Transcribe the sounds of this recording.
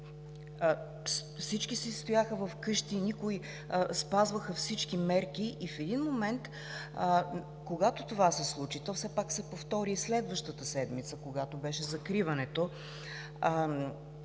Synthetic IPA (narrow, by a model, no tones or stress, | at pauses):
fsit͡ʃkisɛst̪ojaxəvɐfkɤʃt̪inikʊi | spazvəxəfsit͡ʃkimɛɾk̟iʔːfɛd̪inmomɛnt̪ | koɡat̪ot̪ovasɛslˠut͡ʃit̪ɔfsɛpaksɛpoft̪ɔɾislɛd̪vəʃt̪ət̪əsɛd̪mit̪səkoɡat̪obɛʃɛzɐkɾivɐnɛt̪o